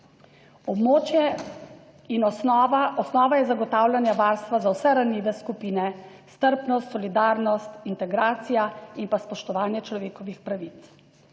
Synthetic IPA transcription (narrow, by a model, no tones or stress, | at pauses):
ɔbmot͡ʃjɛ | inɔɔsnɔːʋajɛzaɡɔt̪aːwlʲjanjaʋaːɾst̪ʋazawsɛɾaniːʋɛskupiːnɛ | st̪əɾpnɔst̪sɔlid̪aːɾnɔst̪int̪ɛɡɾaːt̪sijainpaspɔʃt̪ɔʋaːnjɛt͡ʃlɔʋeːkɔʋixpɾaʋit̪s